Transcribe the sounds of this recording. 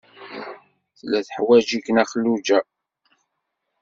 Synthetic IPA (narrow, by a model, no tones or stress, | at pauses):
θlæθħwæd͡ʒikənæχəlːud͡ʒæ